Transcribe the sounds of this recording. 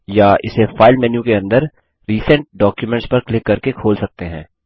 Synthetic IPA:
jaʔɪ̰sefaːɪlmɛnjũkeɐ̃nd̪əɾ | ɾiːsə̃ɳʈ̚ɖɔːkjumɛ̃ɳʈspɐɾklɪkːɐɾkekʰoːlsɐk̚t̪eɦɛ̰̃ː

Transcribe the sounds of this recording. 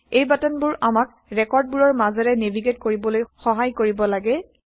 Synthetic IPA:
ejbatɔnbuɹʔamak̚ | ɹɛkɔɹd̚buɹɔɹmazɛɹɛnebʱiɡetkoɹibɔlojxɔɦajkoɹibɔlaɡɛ

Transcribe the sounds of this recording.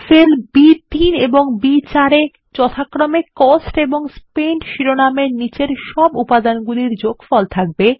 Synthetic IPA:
felbit̪ineboŋbit͡ɕaɾe | t͡ɕɔt̪ʰakɾomekosʈeboŋspeɳʈʃiɾonameɾnit͡ɕeɾʃɔbupad̪anɡuliɾd͡ʑoɡfɔlt̪ʰak̚be

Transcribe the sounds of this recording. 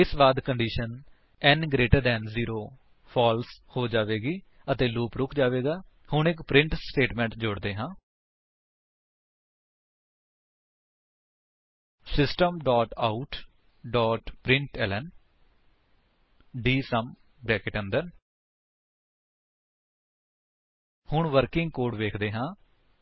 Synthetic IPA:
ɪsbaːd̪kəɳɖiːʃən | ɛːnɡɾeːʈəɾd̪ɛːnziːɾoː | pʰɔːlshoːd͡ʒaːʋeːɡiː | ət̪eːluːpɾʊkʰd͡ʒaːʋeːɡaː | hʊɳɪkpɾɪ̃ɳʈsʈeːʈmɛ̃ːɳʈd͡ʒʊɽd̪eːɦãː | sɪsʈəmɖaːʈaːuʈ | ɖɔːʈpɾɪ̃ɳʈɛːlɛn | ɖiːsəm | bɛːkeʈə̃nd̪ən | hʊɳʋəɾkɪŋɡ̚koːɖʋeːkʰd̪eːɦãː

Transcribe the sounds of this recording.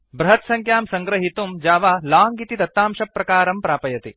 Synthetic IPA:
bɾɐɦɐt̪sɐŋkʰjaːmsɐŋɡɾɐɦit̪umd͡ʒaːʋaːlaːŋɡit̪it̪ɐt̪ːaːmʃɐpːɾɐkaːɾɐmpɾaːpɐjɐt̪ḭ

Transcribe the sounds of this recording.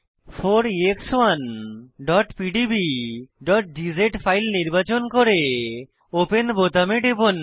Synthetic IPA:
fʰoɾiekswanɖɔʈpiɖibiɖɔʈ̚ɖid͡ʑeʈfʰajlniɾbat͡ɕonkoɾe | openbot̪ameʈebon

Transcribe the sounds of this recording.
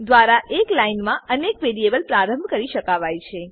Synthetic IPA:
d̪ʋaɾaʔeklainmãʔənekʋeɾiebəlpɾaɾəmbkəɾiʃəkaʋajt͡ʃʰe

